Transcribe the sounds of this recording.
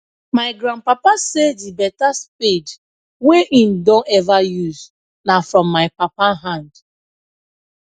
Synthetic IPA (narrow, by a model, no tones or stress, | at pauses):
maɪɡɾãnpapasedibɛtaspid | weʔim̩dõnɛvajuz | nafɹɔ̃mːaɪpapaɦãnd